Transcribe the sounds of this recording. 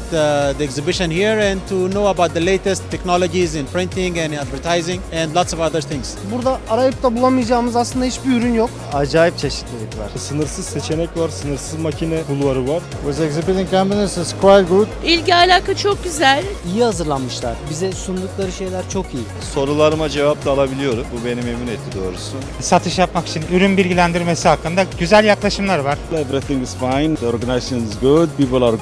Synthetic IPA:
t̪d̪iɛkzibiʃə̃nhiɾɛ̃nt̪ʰunoːɐbawt̪̚d̪əlejt̪ɛst̪ʰːɛknɔlˠod͡ʒizɪ̃npʰɾĩnt̪ɪ̃ŋɛ̃næd̪vəɾt̪ʰajzɪ̃ŋɛ̃ndlˠat̪sɔvaðəɾθɪ̃ŋz̥buɾd̪aːɾajɯp̚t̪ʰabulˠamɯjd͡ʒaːɯmɯzaslˠɯnd̪ahit͡ʃbiyɾynjok | ad͡ʒaːjip̚t͡ʃʰeʃi̥t̪lʲid͡ʒɛcvæ̰ɾ̥sɯnɯɾsɯz̥set͡ʃʰenɛcvaɾsɯnɯɾsɯzmacʰinɛbulˠvaɾɯvaɾ | wɛzɛkzibit̪ĩŋkʰãmbinɛsɪskʰwajlˠɡud̪ilʲɟialʲaːkat͡ʃʰok̚ɟyzælʲijihazɯɾlˠanmɯʃlˠaɾ̥bizɛsund̪uklˠaɾɯʃe̞jlʲæɾt͡ʃʰo̞kiji | so̞ɾulˠaɾɯmad͡ʒe̞vap̚t̪ʰaːlˠabilʲijo̞ɾumbube̞nimemunet̪ʰːid̪o̞ːɾusunsat̪ʰɯʃjapmaki̥t͡ʃʰinyɾynbilʲɟilʲænd̪iɾmesihakːɯnd̪aɟyzælʲjaklˠaʃɯmlˠaɾvaɾ̥lebɾɛt̪iŋɡiz̥fajnd̪oɾɡanasɯnzɡud̪̚bibɯlˠɾ

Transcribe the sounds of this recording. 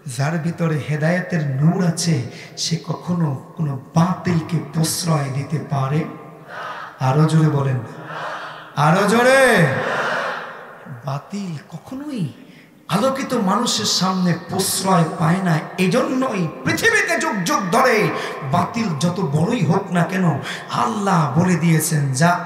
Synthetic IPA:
zʱaɾbʱit̪ɔɾeɦed̪ajɔt̪eɾnuɽat͡ʃʰe | sekɔkʰonokonobãt̪elkeposɾɔjd̪it̪epaɾe | aɾod͡ʒoɽebɔlen | aɾod͡ʒoɽe | bat̪ilkɔkʰonoj | alokit̪omanuʃeɾsamneposɾɔjpaenaeed͡ʒɔnːoejpɾit̪ʰibit̪ed͡ʒoɡ̚d͡ʒoɡ̚d̪ʱɔɽebat̪ild͡ʒɔt̪obɔɽoiɦoknakeno | a̰lːaɦboled̪ijet͡ʃʰend͡ʒa

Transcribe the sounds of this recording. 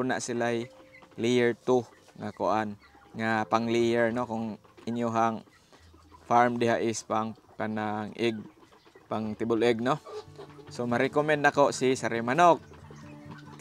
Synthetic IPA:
ʊna̰ʔsɪlajlijɛɹt̪ʊŋakʊ̰ʔanŋapaŋlijɛɹnokʊŋɪnjʊɦaŋ | faɹmd̪ɪɦaʔɪspaŋ | panaŋʔɪɡ̚ | paŋt̪ɪbʊlɛɡ̚no | somaɾɛkomɛ̃nd̪̚nakoʔsisaɾɪmanok̚

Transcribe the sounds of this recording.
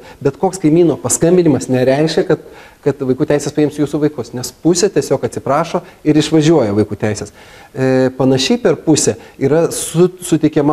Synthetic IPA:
bʲɛt̪koːkskɐɪmʲiːnoːpɐskɐmʲbʲɪnʲɪmɐsnʲɛɾʲɛɪʃʲkʲɛkɐt̪ | kɐt̪ʋɐɪkuːt̪ʲɛɪsʲɛspɐɪmsjuːsuʋɐɪkʊsnʲɛspʊsʲɛt̪ʲiɛsʲoːkɐt̪ʲsʲɪpɾɑːʃoːɪɾɪʃʋɐʒʲuɔjɛʋɐɪkuːt̪ʲɛɪsʲɛs | pɐnɐʃʲɛɪpʲɛrpʊsʲɛiːɾɐsʊsʊt̪ʲɛɪkʲɛmɐ

